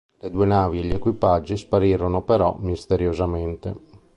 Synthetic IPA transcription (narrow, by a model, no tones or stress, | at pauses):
led̪uːenaːvieʎekwipad͡ʒːispaɾiːɾonopeɾɔ̰mist̪eɾjozament̪e